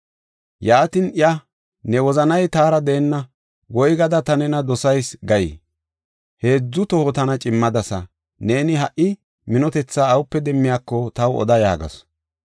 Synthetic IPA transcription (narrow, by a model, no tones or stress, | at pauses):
jaːt̪ɪnɪjɐ | nɛwɔzɐnɐjt̪aːɾɐd̪eːnːɐ | ɡɔjɡɐd̪ɐt̪ɐnɛnɐd̪ɔsɐjsɡɐjɪ̰ | he̞ːd͡zːʊt̪ɔhɔt̪ɐnɐt͡ʃʼɪmːɐd̪ɐsɐ̰ | ne̞ːnɪɦɐʔɪ | mɪnɔt̪ɛt͡sːaːwʊpːɛd̪ɛmːɪjaːkːɔt̪ɐwɔ̰d̪ɐja̰ːɡɐ̰s